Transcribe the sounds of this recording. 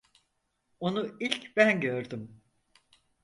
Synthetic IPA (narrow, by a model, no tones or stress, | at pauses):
o̞nuilʲcbænɟøɾd̪ym